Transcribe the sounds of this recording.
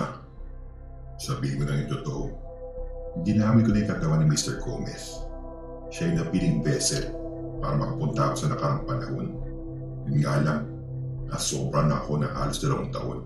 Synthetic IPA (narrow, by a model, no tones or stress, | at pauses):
sɐbiːɪŋkonɐŋɪnt̪ot̪oʔo | hɪnd̪ɪnaːmɪnkonɐikɐt̪ɐwanːɪmist̪ɛɹkʰo̰mɛ̰s | ʃɐjnɐpilɪŋbɛsɛt̪̚ | pa̰ːɾɐmɐkapʊnt̪ɐʔɐko̞sɐnɐkɐɾɐŋpɐnɐho̞̰n | ʊŋɡaːlɐm | ʔɐsoːbɾɐnɐʔɐko̞nɐʔa̰ːlosd̪ɐlɐwʔɐŋt̪ɐ̰ʔo̞n